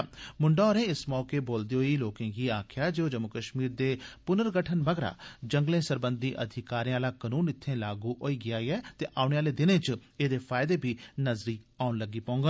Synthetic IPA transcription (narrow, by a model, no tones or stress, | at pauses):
mʊɳɖaːɔːɾẽːɪsmɔːkeːboːld̪eːɦoiːloːkẽːɡiːaːkʰjaːd͡ʒeːoːd͡ʒəmʊkəʃmiːɾd̪eːpʊnəɾɡəʈʰənʋəɡɾa̰ːd͡ʒə̃ŋɡlẽːsəɾbə̃nd̪iːʔə̰d̪ʱɪkaːɾĩːaːlaːkənuːnɪt̪ʰːẽːlaːɡuːʔoːiːɡɪaːiɛːt̪eːʔaːʊɳ̃eːaːleːd̪ɪnẽːt͡ʃeːd̪eːpʰaːɪd̪eːbʱiːnəzɾiːaːʊnləɡːiːpaːʊ̃ŋɡaː